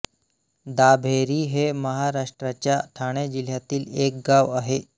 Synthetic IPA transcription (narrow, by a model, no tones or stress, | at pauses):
d̪abʱeɾiːɦeməɦaɾaʂʈɾat͡ɕjaʈʰaɽ̃ed͡ʑil̤jat̪iːlek̚ɡaʋaɦe